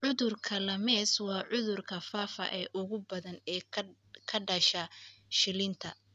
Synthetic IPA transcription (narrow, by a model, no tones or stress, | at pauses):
ʕʊðʊrkʰɐlɐmɛːswɑːʕʊðʊrkʰɐfaːfɐ̰ʔɛːʔʊɣʊbɐðɐnɛː | kʰɐɖɐʃɐʃɪlɪnt̪ʰɐ